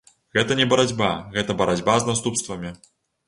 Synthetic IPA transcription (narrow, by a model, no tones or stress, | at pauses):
ɣɛt̪ɐnʲɛbɐɾad͡zʲbaɣɛt̪ɐbɐɾad͡zʲbaznast̪upst̪vɐmʲi